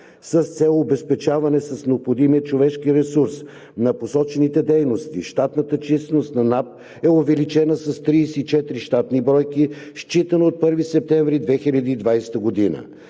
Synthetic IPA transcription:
sɐst̪sɛlˠːbɛspɛt͡ʃavɐnɛsɐsnɛopxod̪imiət͡ʃovɛʃkiɾɛsuɾs | nɐposɔt͡ʃɛnit̪ɛd̪ɛjnost̪ḭʃt̪at̪nət̪ət͡ʃisnost̪nɐnap̚ | ɛovɛlit͡ʃɛnəsɐst̪ɾiːsɛt͡ʃɛt̪ɾiʃt̪at̪nibɾɔjkiʃt͡ʃit̪ənoot̪̚pɤɾvisɛp̚t̪ɛɱvɾid̪vɛxilʲɐd̪iːd̪vajsɛ̥t̪əɡod̪inə̰

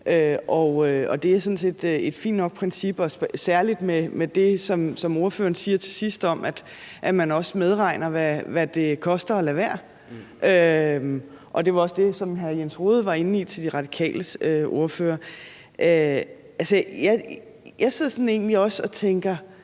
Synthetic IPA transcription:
ʔøɒøɒ̽d̥e̝æɐsɒ̽n̩se̝d̥e̝d̥fḭːn̥ːnɒ̽ɡ̥̚pʰʁɛnsib̥ɒ̽ssæɐlid̥memed̥e̝sɒ̽msɒ̽mo̝ɐfø̰ːɐnsiːɐt͡sʰe̝sisd̥ɒ̽mʔæd̥ | ʔæmænɒ̽smeð̞ˠʁɑ̈ɪnɐʋæʋæd̥e̝kʰɒ̽sd̥ɐ̽ːlæʋæɐ̰ | ʔømʔɒ̽d̥e̝ʋɑ̈ɒ̽sd̥e̝sɒ̽mɦæjensʁo̝ːð̞̩ˠʋɑ̈e̝n̩it͡sʰe̝ld̥iʁɑ̈d̥i̥kʰɛ̰ːləøʔo̝ɐfø̰ːɐ | ʔø | ʔælsəjɑɪ | jɑ̈ɪseð̰ˠɐsɒ̽ne̝ːn̩liɒ̽sɒ̽t͡sʰeŋɡ̥ɐ

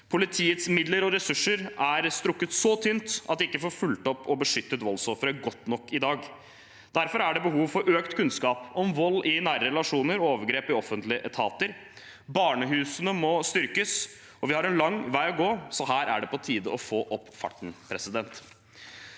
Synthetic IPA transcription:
pʰʊlɪt̪ʰiːət̪smɪd̪ləɾɔɾɛsʉʂːəɾæɾst̪ɾʊkːət̪sɔt̪ʰynt̪ʔɑt̪d̪ɛɪkːəfoːɾfʉlt̪ɔpːʰɔbəʂʏt̪ːət̪ʋɔlːsɔfɾəɡɔt̪nɔkːɪd̪ɑːɡ | d̪̥æɾfɔɾæɖɛbəɦuːʋfɔɾʔøːkt̪kʰʉnskɑːpɔmʋɔlːʔɪnæːɾəɾɛlɑʂuːnəɾɔoːʋəɾɡɾeːpɪɔfənt̪lɪəʔɛt̪ʰɑːt̪əɾ | bɑːɳəɦʉːsənəmɔst̪ʏɾkəs | ɔʋɪhɑɾɛnlɑŋːʋæɪɔɡoːsɔɦæːɾʔæ̰ɖɛpɔt̪ʰiːd̪əɔfoːʔɔpːfɑ̰ʈɳ̩pʰɾɛsɪd̪ɛnt̪

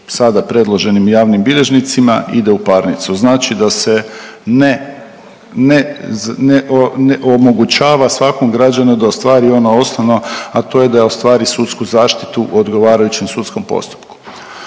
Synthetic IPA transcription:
sad̪apɾe̞d̪lˠo̞ʒe̞nimjaːʋnimbiʎe̞ʒnit̪simaḭd̪e̞upaɾnit̪suznaːt͡ʃid̪ase̞ne | nezneʔneʔomo̞ɡut͡ɕaːʋasʋakomɡɾad͡ʑanud̪aost̪ʋaːɾio̞noo̞snoʋno̞at̪o̞ːje̞d̪aost̪ʋaːɾisut̪skuzaːʃt̪i̥t̪uo̞d̪ɡo̞ʋaːɾajut͡ɕemsut̪sko̞mpo̰st̪u̥pku̥

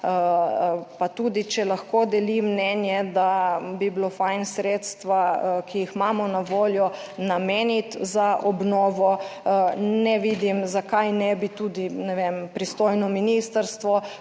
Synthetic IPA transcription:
pat̪uːd̪it͡ʃɛlaxkoːd̪ɛlimnɛnjɛd̪abiblofajnsɾeːt̪st̪ʋakijixmaːmɔnaʋoːljɔ | nameːnit̪zaʔɔbnɔːʋɔ | nɛʋid̪imzakajnɛbit̪uːd̪inɛʋempɾist̪oːjnɔminist̪əɾst̪ʋɔ

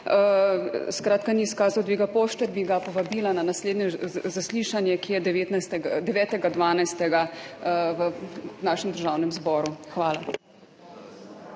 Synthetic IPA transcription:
əskɾaːt̪kaniːskaːzawd̪ʋiːɡapoːʃt̪ɛbiɡapɔʋabiːlananasleːd̪njɛzasliʃanjɛkijɛd̪ɛʋeːt̪najst̪ɛɡd̪ɛʋɛːt̪ɛɡad̪ʋaːnajst̪ɛɡa | ʋənaːʃɛmd̪əɾʒaːwnɛmzbɔːɾuxʋaːla

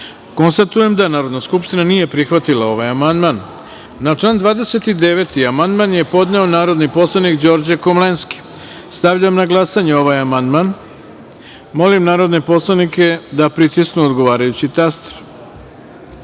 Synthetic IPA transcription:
ko̞nst̪at̪uje̞md̪anaːɾo̞d̪naskupʃt̪inanije̞pɾixʋat̪ilˠao̞ʋajamand̪manː | at͡ʂland̪ʋaːd̪e̞se̞t̪id̪e̞ʋe̞t̪iamand̪manje̞po̞d̪ne̞o̞naːɾo̞d̪nipo̞slˠanikd͡ʑo̞ɾd͡ʑekomlenski̥ | st̪aʋʎamnaɡlˠasaɲeo̞ʋajamand̪man | mo̞limnaːɾo̞d̪ne̞po̞slˠanike̞d̪apɾit̪isknuod̪ɡo̞ʋaːɾajut͡ɕit̪ast̪ɾ

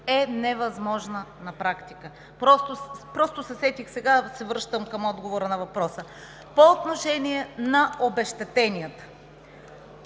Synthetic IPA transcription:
ɛnɛvɐzmɔʒnənɐpɾakt̪ikə | pɾɔst̪opɾɔst̪osɛsɛt̪ixsɛɡasɛvɾɤʃt̪əmkəmɔd̪ɡovoɾənɐvɐpɾɔsə | poːt̪noʃɛniɛnɐobɛʃt̪ɛt̪ɛnijət̪ə̥

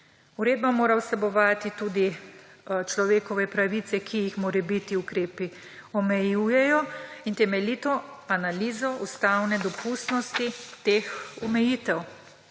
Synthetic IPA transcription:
uɾeːd̪̚bamoːɾausɛbɔʋaːt̪it̪uːd̪i | t͡ʃlɔʋeːkɔʋɛpɾaʋit̪sɛkʰijixmoːɾɛbit̪iukɾeːpi | ɔmɛjuːjɛjɔint̪ɛmɛlit̪ɔanaliːzɔust̪awnɛd̪ɔpust̪nɔst̪it̪eːxumɛjiːt̪ɛw

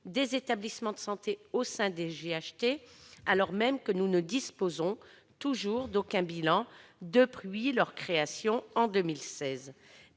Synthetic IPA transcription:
d̪ezet̪ablismɑ̃d̪əsɑ̃t̪eosɛ̃d̪eʒeaʃt̪ealɔʁmɛmkənunəd̪ispozɔ̃ | t̪uʒuʁd̪okʲɛ̃bilɑ̃d̪əpχɥilœʁkχeasjɔ̃ɑ̃d̪əmilsɛz

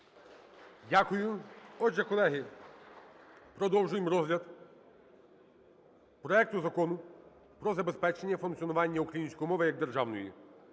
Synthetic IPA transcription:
dʲakʊjʊɔʒzɛkɔlˠɛɦɪ | pɾɔd̪ɔwʒʊjemɾɔzɦlʲɐd̪ | pɾɔɛk̚t̪ʊzɐkɔnʊ | pɾɔzɐbespɛt͡ʃenʲːɐfʊnk̪sʲijɔnʊʋɑnʲːɐukɾɐjinʲsʲkɔjimɔʋɪjɐɡ̚d̪erʒɑwnɔjḭ

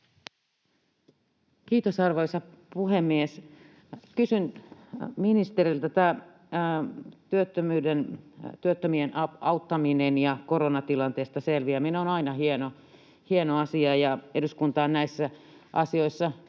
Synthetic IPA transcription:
kiːt̪osɑrʋo̞isɑpuhemːies | kysyn | minist̪erilt̪æt̪æː | t̪yøt̪ːømyːdent̪yøt̪ːømienɑut̪ːɑminenjɑkoɾonɑt̪ilɑnt̪eːst̪ɑselʋiæminoːnɑinɑhieno | hienoɑsiɑjɑeduskunt̪ɑːnnæisːæ | ʔɑsio̞isːɑ

